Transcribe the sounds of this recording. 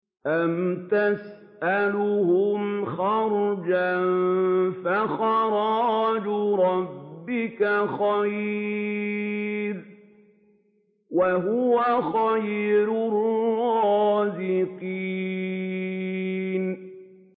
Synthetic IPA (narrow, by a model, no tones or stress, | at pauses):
ʔamt̪as | ʔalʊhʊmxɑɾˤd͡ʒanfaxɑɾˤɑd͡ʒʊɾˤɑbːɪkaxaj | l | waɦʊwaxajɾʊrɑːzɪqi | n